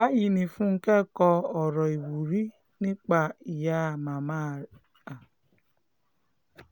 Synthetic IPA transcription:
a˦ji˨ni˨fu˦ŋ̩˨ke˦˨kɔ˦ɔ˨ɾɔ˨i˨wu˨ɾi˦ | nɪ˦k͡pa˨i˨ja˦˨ma˨ma˦˨ | a˨

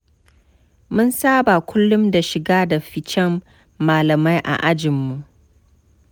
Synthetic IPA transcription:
mʊ˦nsaː˦ba˨kʷʰʊ˦lːʊ˦mda˨ʃɪ˨ɡaː˦da˨ɸɪ˨t͡ʃɛ˦mː | aː˨lɐ˨ma˦jʔa̰˨ʔa˦d͡ʒɪ˨mːu˨ʔ

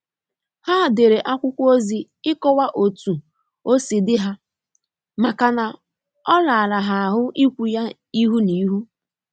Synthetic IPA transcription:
ha˦˨de˨ɾe˨ʔa˦kʷʊ˦kʷo˦zi˨ | ɪ˦kɔ˦wa˦ʔo˨tu˨ | o˦si˨dɪ˦ɦa˦ | ma˨ka˨na˨ | ɔ˦la˨a˨la˨ɦa˨ɦʊ˦ʔi˦kʷu˨ja˦ | i˦ɦu˦ni˨˦ɦu˦

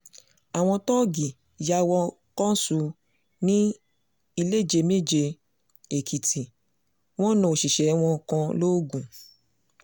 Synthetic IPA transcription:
a˨w̃ɔ̃˧tɔ˦ɡi˨ | ja˧wɔ˧ | kɔ̃˦su˧ | nĩ˦ | i˧le˦˨d͡ʒe˧me˦d͡ʒe˧ | e˨kʰi˨tʰi˨ | w̃ɔ̃˦nũ˧o˨ʃi˨ʃɛ˨˦w̃ɔ̃˧kã˧lo˦ɡũ˨

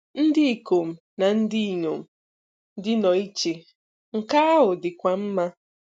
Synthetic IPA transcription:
n̩˦dɪ˦i˨ko˨m̩˨ | na˨n̩˦dɪ˦i˨ɲo˨m̩˨˦ | dɪ˦nɔ˨i˦t͡ʃe˨ | ŋ̩˨ka˦a˦ɦʊ˨dɪ˨kʷa˨m̩˦ma˦

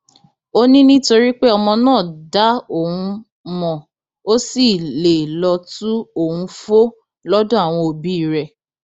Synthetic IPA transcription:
o˦nĩ˦nĩ˦to˧ɾi˦k͡pe˦ɔ˧mɔ̃˧nãː˦˨da˦o˦˨hũ˧ | mɔ̃˨ | o˦si˨le˨lɔ˧tu˦o˦˨wũ˧fo˦ | lɔ˦dɔ̃˦a˨w̃ɔ̃˧o˧bi˦i˦˨ɾɛ˧

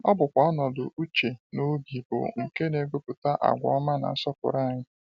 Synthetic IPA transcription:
ɔ˦bʊ˨kʷɔ˨ɔ˦nɔ˨dʊ˨ʔu˦t͡ʃe˨no˦ɡi˨bʊ̰˨ŋ̩˨ke˦ne˨ɡo˦pʊ˨ta˦ʔa̰˨ɡʷɔ̰˨ɔ˦ma˦na̰˨n̩˦sɔ˦pʊ̰˨ɾa˦˨ɲɪ˦

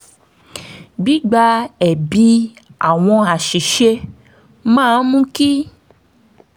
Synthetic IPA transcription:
ɡ͡bi˨˦ɡ͡ba˧˦ɛ˨bi˨˧˦a̰˦˨w̃ɔ̃˧a˨ʃi˨ʃe˧ | mãː˦˨˧mũ˦ki˦

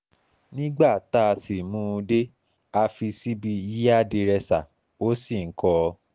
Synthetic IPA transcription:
nĩ˦ɡ͡ba˦˨ta˦˧si˨mũː˦˧de˦ | a˧fi˧si˦bi˧ji˦a˦˨de˧ɾɛ˧sa˨ | o˦si˦˨ŋ̩˨˦kɔ˧

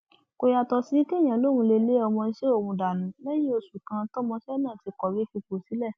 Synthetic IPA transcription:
ko˧ja˧tɔ˧si˨˦ke˦˨j̃ã˨lo˦˨wũ˧˦le˧le˦ɔ˧mɔ̃˧n̩˦ʃe˦o˦˨wũ˨˧da˨nũ˨˦lɛ˦j̃ĩ˦o˧su˨kã˧tɔ˦mɔ̃˧ʃɛ˦nã˦˨ti˧kɔ˨wi˨˦fi˧ko˨si˨˦lɛ˦˨

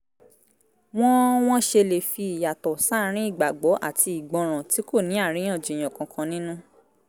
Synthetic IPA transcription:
w̃ɔ̃˦w̃ɔ̃˦ʃe˧le˨fi˧i˨ja˨tɔ˨sa˦˨˦ɾ̃ĩ˨˦i˦˨ɡ͡ba˨ɡ͡bɔ˨˦ʔa̰˦˨tʰi˧i˨ɡ͡bɔ̃˨˧ɾ̃ã˨ti˨˦ko˦˨nĩ˨˦a˦˨ɾ̃ĩ˨˦ɔ̃˦˨d͡ʒi˨j̃ɔ̃˨kã˧kʰã˧nĩ˦nũ˦

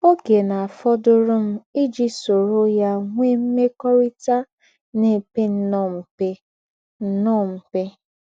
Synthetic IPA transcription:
o˦ɡe˨na˨a˨fɔ˦dʊ˦ɾʊ˦m̩˦i˦d͡ʒi˦so˨ɾo˦ja˦ŋʷe˦m̩˦me˦kɔ˦ɾi˦ta˦ | ne˨pe˦n̩˦nɔ˦˨m̩˨pe˦ | n̩˨nɔ˦˨m̩˨pe˦

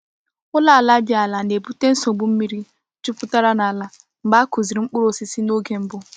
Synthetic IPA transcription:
ʊ˦la˦a˨la˦d͡ʒɪ˦a˨la˨ne˨bu˦te˦n̩˦so˨ɡ͡bʊ˨˦m̩˦mi˦ɾi˦ | t͡ʃu˦pʊ˦ta˦ɾa˦na˨la˦ | m̩˨ɡ͡ba˦ku˨zi˨ɾi˨ŋ͡m̩˦k͡pʊ˦ɾo˨si˦si˦no˦ɡe˨˦m̩˦bʊ˦

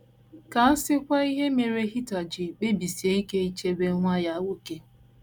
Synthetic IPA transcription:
ka˨˦sɪ˦kʷa˦i˦ɦe˦me˨ɾe˦ɦi˦ta˨d͡ʒɪ˨k͡pe˦bi˨si˨e˦i˦ke˦i˦t͡ʃe˦be˦ŋʷa˦ja˦wo˦ke˦

